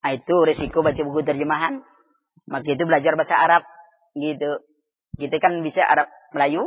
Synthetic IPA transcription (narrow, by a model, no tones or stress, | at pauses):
ait̪uɾesikobat͡ʃabuɡut̪ərd͡ʒəmaɦan | makait̪̬ubəlad͡ʒarbasaaɾap̚ | ɡit̪u | kit̪ɛkanbisaʔa̰ɾap̚məlaju